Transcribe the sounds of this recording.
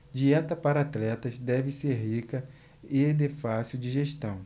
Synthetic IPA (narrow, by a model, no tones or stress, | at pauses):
d͡ʒiɛt̪ɐpaɾɐat̪lɛt̪ɐzd̪ɛvɪseɾɦikɐ | ɪd̪efasiwd͡ʒɪʒeʃt̪ɐ̃w̃